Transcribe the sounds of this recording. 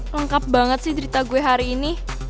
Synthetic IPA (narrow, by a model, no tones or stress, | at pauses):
ləŋkap̚ba̤ŋət̪̚sɪhd̪əɾit̪aɡuweɦaɾiːni